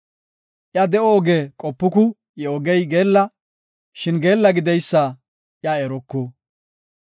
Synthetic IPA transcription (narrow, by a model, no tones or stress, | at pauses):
ʔjɐd̪ɛoɡeːkʼɔpːʊkʊ | jɛɔɡɛjɡe̞ːlːɐ | ʃɪnɡe̞ːlːɐɡɪd̪ɛjsːɐ | ʔjaɛɾɔkːɔ